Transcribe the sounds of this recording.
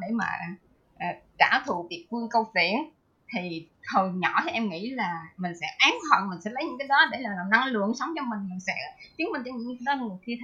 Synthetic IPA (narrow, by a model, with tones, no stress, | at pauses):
ɗe˧˩ma̰ː˨˩ʔ | ʔəː˨˩t͡ɕaː˧˩t̪ʰu˨vi˨˩ət̚fɨ˧əŋkə˧wfḭ˧˩ə˨n | t̪ʰi˨˩ | ho˨˩jɲɔ˧˩t̪ʰi˨˩ʔɛ˧mŋḭ˧˥laː˨˩mï˨˩ŋ̟sɛ̰˧˥ʔaː˨˦nhə̰ː˧˨nmï˨˩ŋ̟sɛ̰˧˥lə˨˦jɲɨ̰˧˥ŋkaː˨˦jɗɔ˨˦ɗe˧˩laː˨˩lːna˧ŋlɨ̰˧˨əŋsə˨˦wŋ͡mt͡ɕɔ˧mï˨˩ŋma˨˩sɛ̰˧˥t̪i˨˦ənmi̟˨˩t͡ɕːɲ̰˧˥ŋ˧˦ə˧˦˧ŋɨ˨˩ki˧